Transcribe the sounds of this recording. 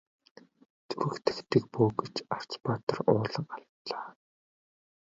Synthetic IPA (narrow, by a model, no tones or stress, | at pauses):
t͡suɾɘ̆kt̪ʰɘ̆kt̪ʰɘ̆k̚poːɡet͡ɕar̥t͡spat̪ə̆rʊːɮə̆ŋaɮt̪ɮaː